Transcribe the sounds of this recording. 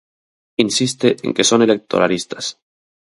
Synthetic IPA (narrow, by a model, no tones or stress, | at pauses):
insist̪eʔḛ̃ŋke̞so̞ne̞lek̚t̪ʰo̞ɾalist̪ḁs